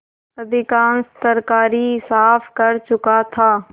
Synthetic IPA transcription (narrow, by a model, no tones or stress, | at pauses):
ɐd̪ʱɪkaːnst̪əɾkaːɾisaːfʰkɐɾt͡ʃʊkat̪ʰaː